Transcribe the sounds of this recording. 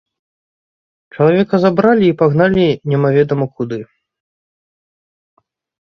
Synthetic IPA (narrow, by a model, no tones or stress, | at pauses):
t͡ʂɐlˠavʲɛkɐzabɾalʲiːpaɣnalʲinʲɛmavʲɛd̪ɐmɐkud̪ɨ